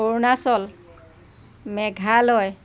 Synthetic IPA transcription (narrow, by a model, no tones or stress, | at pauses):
oɹnasɔl | mɛɡʱalɔj